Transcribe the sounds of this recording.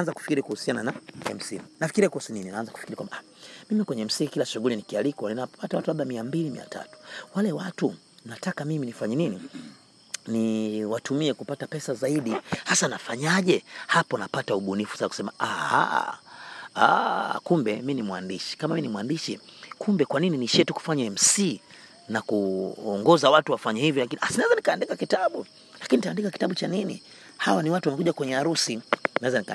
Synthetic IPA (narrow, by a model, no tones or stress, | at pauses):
nzaku̥fi̥kiɾikuhusiananaɛ̰m̩simnafi̥kiɾiakuusinininaanzaku̥fikiɾikwa̰mbaa | mimikwɛɲɛm̩siŋikilaʃuɡulinikialikwannapatawatulaɓamiambilimḭa̰ta̰tu̥walɛwatu | m̩natakamiminifaɲɛnini | niwatumiɛkupatapɛsazaiɗihasanafaɲaʄɛhapɔnapatauɓunifu̥saaku̥sɛmaʔaha̰ | a̰kumbɛminimwa̰ndiʃi̥kamaminimwandiʃikumbɛkwanininiʃiɛtuku̥faɲɛm̩siː | nakuɔŋɡɔzawatuwafaɲɛhivjɔlakinʔasinaɛzanikaːndikakitaɓu | lakinintaːndikaki̥taɓut͡ʃaninḭ | hawaniwatuwamɛkuʄakwɛɲɛaɾusinaɛzanika